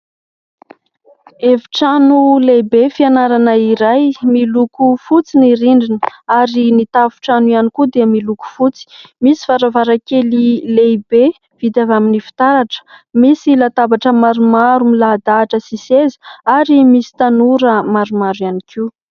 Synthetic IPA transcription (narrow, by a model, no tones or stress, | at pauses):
eviʈ͡ʂanulejbefianaɾanəiɾajmilukufut͡siniɾiɳɖ͡ʐinəaɾinit̪avu̥ʈ͡ʂanuianikud̪eamiluku̥fut͡si̥misi̥vaɾavaɾakelilejbe | v̥id̪avaminifi̥t̪aɾaʈ͡ʂə̥misilat̪abaʈ͡ʂəmaɾumaɾumilaːd̪aːʈ͡ʂəsisezi̥aɾimisi̥t̪anuɾəmaɾumaɾjanikʰiu